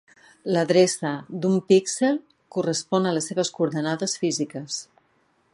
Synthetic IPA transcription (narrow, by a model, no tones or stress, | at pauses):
ləðɾesəd̪umpikselˠ | kurəspɔnələsːeβ̞əskuɾðənaðəsfizikəs